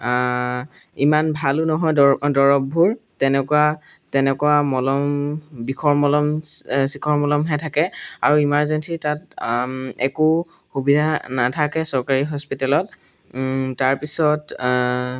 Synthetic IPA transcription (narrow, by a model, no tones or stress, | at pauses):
imanbʱalunɔɦɔjdɔɹɔbʱːuɹtɛnɛkʊwa | tɛnɛkʊwamɔlɔmbikʰɔɹmɔlɔmsikʰɔɹmɔlɔmɦɛtʰakɛaɹuimaɹzɛnsitat | ɛku | xubidʱanatʰakɛsɔɹkaɹiɦɔspitalɔt | taɹpisɔt